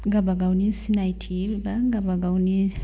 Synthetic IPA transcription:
ŋɡabaɡaunisinajtʰibaŋɡabaɡawni

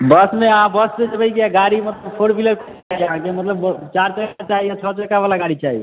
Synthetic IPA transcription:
bəsmeəɦãbəssed͡ʒəbəikeaɡaɾimət̪ləbpʰoɽbʱiləɾkʰ | aɦiəɦãkemət̪ləbt͡ʃaɾt͡ʃəkat͡ʃaɦiat͡ʃʰɔt͡ʃəkabalaɡaɾit͡ʃaɦḭ

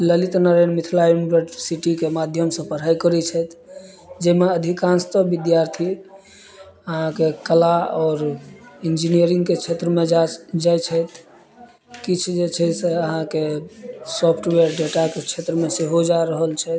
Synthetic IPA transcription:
ləlit̪nəɾenmit̪ʰlaimbɾəʈsiʈikemad̪ʱjəmsə̃pəɾ̤ajkəɾɛt͡ʃʰɛt̪ʰ | d͡ʒemeəd̪ʱikãnst̪əbid̪jaɾt̪ʰi | əɦãkekəlaɔːɾind͡ʒinijəɾĩŋɡket͡ʃʰet̪ɾəmed͡ʒajt͡ʃʰɛt̪ʰ | kit͡ʃʰd͡ʒet͡ʃʰɛseəɦãkesɔpʰʈʋeəɾɖeʈaket͡ʃʰet̪ɾəmeseɦod͡ʒaɾəɦəlt͡ʃʰɛt̪̚ʰ

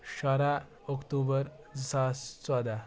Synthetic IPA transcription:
ɕaɾa | ɔkt̪ubəɾ | d͡zəsast͡sad̪a

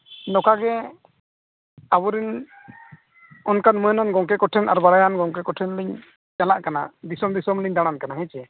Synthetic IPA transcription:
nɔkaɡɛ | abɔɾin | ɔnkanmuɛnɔnɡɔŋkɛkɔʈʰɛnʔa̰ɾbaɽajanɡɔŋk̬ɛkɔʈʰɛnliɲ | d͡ʒalaʔkana̰d̪isɔmd̪isɔmliɲd̪aɽ̃ankanaɦɛ̃t͡ʃɛ

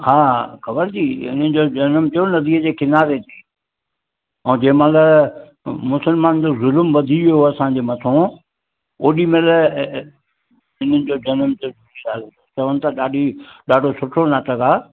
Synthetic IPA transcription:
haːxɐbəɾd͡ʑiːɪ̰n̤ənɪ̆d͡ʑoːd͡ʑɐnmd͡ʑonɐd̪iːəd͡ʑeːkɪnaːɾet̪ʰiː | ɛ̃ːd͡ʑeːɪ̃mãlə | mʊsəlmaːnd͡ʑoːzʊlmʋɐd̪ʱiʋijoɐsãːd͡ʑeːmɐt̪ʰõ | oːɗimel | ɪn̤ənɪ̆d͡ʑoːd͡ʑɐnmd͡ʑouiaː | t͡ɕɐʋənɪ̆t̪ʰaɗaːɖʱiɗaːɖʱosʊʈʰonaːt̪əɡaː

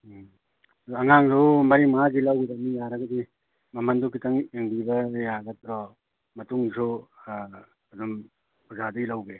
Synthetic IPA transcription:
ɐŋaŋdomɐɾimazilɐwdamijaɾɐɡɐdi | mɐmɐndukitɐŋeŋbibɐjaɡɐt̪ɾɔ | mɐtuŋso | ɐdum | bʰuzaduɡilɐwɡe

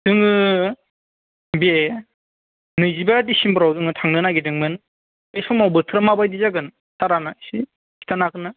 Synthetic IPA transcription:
d̥ɯŋɯ | be | nɯjzibadisimbɯɾawdɯŋɯtʰaŋnɯnaɡedɯŋmɯn | esɔmawbɯtʰɯɾamabajdizaɡɯn | saɾanasi | kʰi̥tʰanakɯna

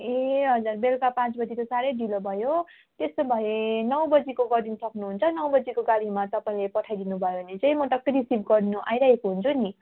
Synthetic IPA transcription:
eɦʌd͡zurbelkapãt͡sbʌd͡zit̪osaɾʌjɖilobʱʌjo | t̪est̪obʱʌjenʌwbʌd͡zikoɡʌɾinsʌknuɦunt͡sʰʌnʌwbʌd͡zikoɡaɽimat̪ʌpaĩlepʌʈʰajd̪inubʱʌjobʌnet͡saĩmoʈʌkɾisibɡʌɾinuʔa̰jɾaɦekoɦunt͡sʰuni

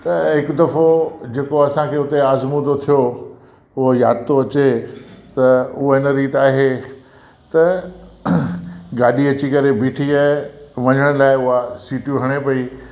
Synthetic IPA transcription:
t̪ɐɦɪkʊd̪ɐfod͡ʑeːkoɐsãkʰeːʊt̪eaːzmũd̪ot̪ʰijo | ʊɦojaːd̪t̪oɐt͡ɕet̪ɐʊɦoɪnəɾiːt̪aːɦe | t̪ɐ | ɡaːɗiɐt͡ɕikɐɾebʱiːʈʰiaːɦeʋɐɲəɽ̃laːɪʊɦasiːʈjũɦɐɽ̃epɐi

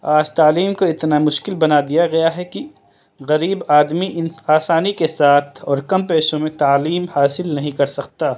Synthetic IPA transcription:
aːd͡ʒt̪aːliːmkoɪt̪namʊʃkɪlbɐnad̪ijaɡɐjaɦɛki | ɣɐɾiːbaːd̪miʔɪnaːsaːnikesaːt̪ʰɔːɾkɐmpeːʃõmẽt̪aːliːmhaːsɪlnɐɦĩkɐɾsɐkt̪aː

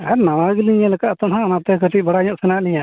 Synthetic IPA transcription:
aɾnawaɡiliɲɛlɛkaʔt̪ɔnɦãnat̪ɛkəʈʰic̚ˀbaɽaɲɔʔsɛnaliɲa

